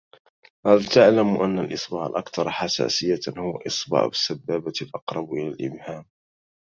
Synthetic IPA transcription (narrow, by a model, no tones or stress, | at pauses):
halt̪aʕlamʔanːalʔɨsˤbɑʕa̰lʔɑkt̪ɑɾˤħasa̰ːsɪjːahʊwa̰ʔɨsˤbɑ̰ʕ̰bɪsːabːaːbalʔɑqɾˤɑbʔɪlalʔɪ̰bhaːm